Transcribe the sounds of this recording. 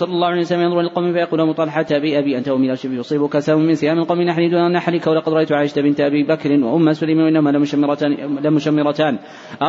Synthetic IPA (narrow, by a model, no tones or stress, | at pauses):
sˤɑlːɑlˤːɑːhʊʕaejhwsalːamajɑnðˤɾʔalalqɑwmɪfajɑquːlamʊt̪ˤɑːlɪħat̪abiʔabiːʔant̪aʔʊmɪlaʃɪbjʊsˤiːbʊkasaːmʊmːɪnsɪjaːmɪlqɑwmɪnaħaniːd̪uːʔʔanːaħaliːkawalɑqɑd̪ɾɑʔajt̪ʊʕaːjɪd͡ʒt̪abɪnt̪aʔabiːbakɾɪnwa̰ʔʊmːasʊlajmanwaʔɪnːahʊmala | lamʊʃamːɪɾˤɑt̪aːn | ʔɑ